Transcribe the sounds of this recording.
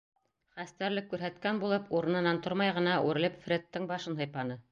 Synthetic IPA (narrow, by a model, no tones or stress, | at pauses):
χæst̪æɾlɘkːʉɾɦæt̪kænbulˠɤpuɾɤ̆nɤ̆nɑnt̪oɾmɑjʁɤ̆nɑʔʉɾɘ̆lɘpfrʲet̪ːɤɴbɑʃɤnɦɤ̆jpɑnɤ